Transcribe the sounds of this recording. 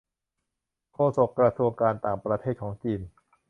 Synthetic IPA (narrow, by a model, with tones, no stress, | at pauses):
kʰoː˧so˨˩k̚kːɾa˧su˧əŋkaː˧nt̪aː˨˩ŋpɾa˧t̪ʰeː˥˩t̪̚kʰɔː˩˦ŋt͡ɕiː˧n